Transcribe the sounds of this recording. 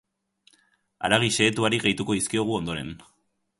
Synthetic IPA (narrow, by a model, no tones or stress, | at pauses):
a̰ɾaɣiʃe̞ːt̪uaɾiɣejt̪uko̞ðiskio̞ɣ̞uo̞nd̪o̞ɾe̞n